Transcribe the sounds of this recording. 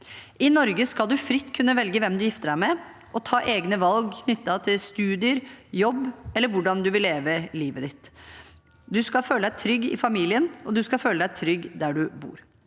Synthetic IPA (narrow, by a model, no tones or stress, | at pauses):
ʔɪnɔɾɡəskɑlˠd̪ʉfɾɪt̪ːkʰʉnːəʋɛlɡəʋɛmd̪ʉjɪft̪əɖæɪmɛ | ʔɔt̪ʰɑːʔeːɡnəʋɑlɡkʰnʏt̪ːɑt̪ʰɪlst̪ʉːd̪ɪəɾjɔbːɛlːəɾʋʊɖɑnd̪ʉʋɪlːeːʋəliːʋəd̪ɪt̪ | d̪ʉskɑlføːləd̪æɪt̪ʰɾʏɡːɪ̰fɑmiːlɪənɔd̪ʉskɑføːləd̪æɪt̪ʰɾʏɡːd̪æɖʉbṵːɾ